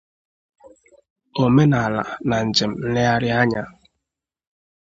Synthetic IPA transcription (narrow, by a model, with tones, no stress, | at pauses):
o˨me˦na˨la̰˨na˨n̩˨d͡ʒe˨m̩˨˦le˦a˦ɾɪ˦a˦ɲa˦